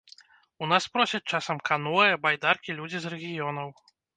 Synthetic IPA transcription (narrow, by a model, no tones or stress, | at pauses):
unaspɾɔsʲɐt͡ʂasɐmkanɔjɐbajd̪arkʲilʲud͡zʲizrɛɣʲijɔnɐw